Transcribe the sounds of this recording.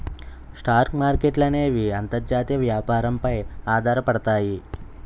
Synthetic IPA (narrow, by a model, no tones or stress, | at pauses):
sʈaːɾkmaːɾkeʈlɐne̞ːʋiɐnt̪ɐɾd͡ʒaːt̪ijɐʋjaːpaːɾɐmpɐjaːd̪ʱaːɾɐpɐɽɐt̪aːji